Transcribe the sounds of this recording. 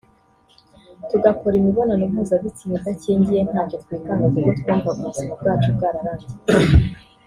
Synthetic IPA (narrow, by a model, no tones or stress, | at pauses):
tuɡako̞ɾimiβonanimhuːzaβitimizaciːɲdije̞n̥haːco̞t̪wiːkaŋazuɡotkoːmvakuzimub̚ɡaːt͡ʃub̚ɡaːɾaɾaːti̥